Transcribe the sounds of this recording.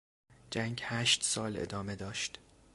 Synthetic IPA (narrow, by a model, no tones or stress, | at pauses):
d͡ʒæŋɟhæːʃt̪sɒːlḛd̪ɒːme̞d̪ɒːʃt̪